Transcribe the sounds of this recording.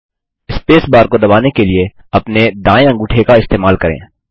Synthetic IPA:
ɪspeːsbaːɾkod̪ɐbaːnekelie | ɐpned̪ãːẽɐ̃ŋɡʊʈʰekaɪst̪eːmaːlkɐɾḛ̃ː

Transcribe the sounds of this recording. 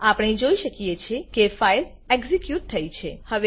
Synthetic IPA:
apəɳ̃id͡ʒoiʃəkijet͡ʃʰekefail | eɡzikjuʈ̚t̪ʰːəit͡ʃʰehəʋe

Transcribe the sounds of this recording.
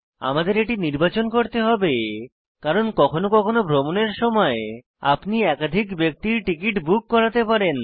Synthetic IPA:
a̰mad̪eɾeʈiniɾbat͡ɕonkoɾt̪eɦɔbe | kaɾonkɔkʰonokɔkʰonobʱɾomoneɾʃɔmɔe | a̰pniɛkad̪ʱikbek̚t̪iɾʈikiʈbukːɔɾat̪epaɾen

